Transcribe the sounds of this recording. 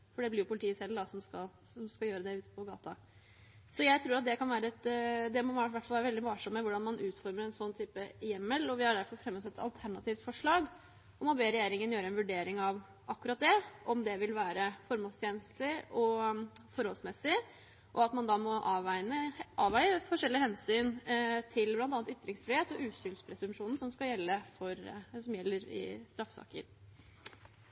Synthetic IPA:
fɔɖɛblɪɾjʊpʰʊlt̪ʰiːəsɛld̪ɑsɔmskɑl | sɔmskɑjøːɾəd̪ɛʉːt̪ːə̥pʰɔɡɑ̰ːt̪ʰɑ | sɔjæɪt̪ʰɾuːɾɑt̪̚d̪ɛkɑnʋæːɾəɛt̪d̪ɛmɔʋæʋæʈfɑlʋæːɾəʋɛlɪʋɑːʂɔmːəʋʊɖɑnmɑnʔʉːt̪fɔɾməɾɛnsɔnːt̪ʰyːpəjɛmːəlɔʋɪhɑɖ̪æɾfɔɾfɾɛmːɔsɛt̪ːɑ̰lt̪ʰæɳɑt̪ʰiːft̪fɔʂɭɑːɡ | ɔmɔbeːɾɛjeːɾɪŋənjøːɾəɛnʋʉɖeːɾɪŋɑʋ | ʔɑkːʉɾɑt̪̚d̪ɛʔɔmd̪ɛʋɪlʋæːɾəfɔɾmoːlst̪ʰjeːnst̪lɪʔɔfɔɾɔlsmɛsɪ | ʔɔɑt̪mɑnd̪ɑmɔʔɑʋæɪnəʔɑːʋæɪəfɔʂɛlːɪhɛnsyːnt̪ʰɪlblɑnt̪ɑːnt̪ʏt̪ːɾɪŋsfɾɪheːt̪ɔʔʉːsʏlspʰɾɛsʉmʂuːnn̩sɔmskɑjɛlːəfɔɾsɔmjɛlːəɾɪ̰st̪ɾɑfsɑ̰ːkə̰ɾ

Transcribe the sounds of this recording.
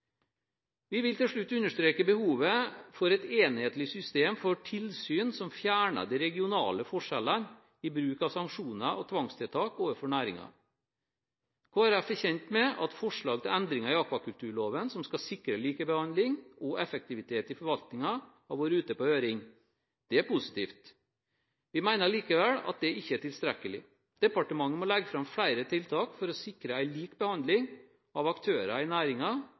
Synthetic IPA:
ʋɪʋɪlt̪ɪlʂɭʉt̪ːʉnːəʂt̪ɾeːkəbəhuːʋəfɔɾɛt̪eːnheːt̪lɪsʏst̪eːmfɔʈʰɪlsyːnsɔmfjæːɳə̰d̪iɾɛɡɪʊnɑ̰ːləfɔʂɛlən | ɪbɾʉːkɑʋsɑŋkʂuːnəʔɔt̪ʰʋɑŋst̪ʰɪlt̪ʰɑːkoːʋəfɔɳæːɾɪ̰ŋɑ̰ | kʰoːɾæfɔçɛnt̪mɛɑt̪fɔʂɭɑːɡ̚t̪ʰɪlɛnd̪ɾɪŋɑɪɑkʋɑkʉlt̪ʰʉːɭoːʋənsɔmskɑsɪkɾəliːkəbəhɑnd̪lɪŋɔʔɛfək̚t̪ɪʋɪt̪ʰeːt̪ɪfɔɾʋɑlt̪nɪŋɑ | ɑʋoːɾʉːt̪əpɔøːɾɪŋ | d̪̥ɛæɾpʊsɪ̥t̪ʰiːft̪ | ʋɪmæɪnəɭiːkəʋɛlɑ̰t̪̚d̪ɛɪçːəæʈɪlst̪ɾɛkːəlɪ̰ | d̪̥ɛpɑʈəmɑŋːəmɔlɛɡːəfɾɑmflæɪɾət̪ʰɪlt̪ʰɑːkfɔɾɔsɪkɾəæɪliːkbəhɑnd̪lɪŋ | ɑʋɑkt̪ʰøːɾɑɪnæːɾɪŋɑ

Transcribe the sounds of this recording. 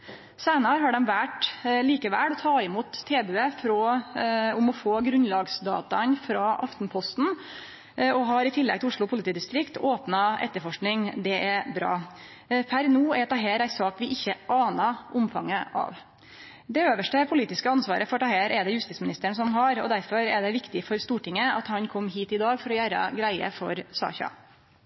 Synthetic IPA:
sæɪnɑɾɦɑɖɛmʋæʈliːkəʋæ̰ːɽɔt̪ʰɑːɪmuːt̪ʰːeːbʉːəfɾɔ | ʊmɔfoːɡɾʉnlɑɡsd̪ɑ̰ːt̪ɑnfɾɑʔɑft̪npʰɔst̪n̩ | ɔɦɑɾɪt̪ʰɪlːɛ̰ɡt̪ɪʊʂɭʊpʰʊlɪt̪iːd̪ɪst̪ɾɪkt̪ʰoːpnɑʔɛ̰t̪ːəɾfɔʂknɪŋd̪ɛʔɛɾbɾɑ̰ː | pʰæɾnuːɛɾt̪ʰɑɦeːɾæɪsɑːkʋɪʔɪçːəʔɑːnɑʔʊmfɑŋːəʔɑ̰ʋ | d̪ɛøːʋəʂʈəpʰʊliːt̪ɪskəɑnsʋɑ̰ːɾʔəfɔʈɑheːɾʔɛd̪ɛjʉst̪iːsmɪnɪst̪əɳsɔmɦɑɾɔ̰d̪æɾfɔɾɛɖ̪ɛʋɪkt̪ɪfɔɾst̪uːʈɪŋːəɑ̰t̪hɑnkʰɔmːɦiːt̪ɪd̪ɑːɡfɔɾɔjæɾɑ̰ɡɾæɪə̰fɔɾsɑ̰ːçɑ̰

